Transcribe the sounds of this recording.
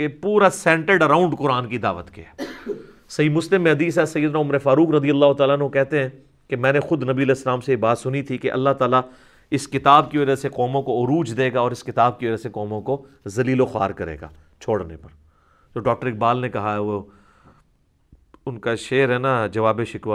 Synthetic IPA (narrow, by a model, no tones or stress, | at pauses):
kepuːɾasɛ̃ːɳʈəɖɐɾãːʊ̃ɳɖqʊɾaːnkid̪aːʋət̪kiɛː | sɐiːmʊslɪmːẽɦɐd̪iːs̬ɛsɐjːəd̪ʊnaʊmɾefaːɾuːkɾɐd̪ijɐlːaːɦʊt̪aːlaːnɦõkɛɦt̪eɦɛ̃ː | kemɛ̃ːnexʊd̪nɐbiɐlɛːsːəlaːmseibaːt̪sʊnit̪ʰikeʔɐ̰lːaɦt̪aːla | ɪskɪt̪aːb̚kiʋɐd͡ʒaseqɔːmõkoʊɾuːd͡ʒd̪eːɡaɔːɾɪskɪt̪aːb̚kiʋɐd͡ʒaseqɔːmõko | zɐliːloxa̰ːɾkɐɾḛːɡa̰ː | t͡ʃʰoːɽnḛpɐɾ | d͡ʒoːɖɔːk̚ʈəɾɪk̚baːlnekɐɦaɦɛʋo | ʊnkaʃeːɾɦɛːnad͡ʒɐʋaːbeʃɪkʋa